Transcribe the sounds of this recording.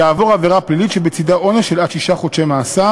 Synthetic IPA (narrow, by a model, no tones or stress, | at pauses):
aːvo̞ʁaveʁaplilit̪ʃebet͡sidaʔo̞neʃelatʃiʃaχot͡ʃemaːsa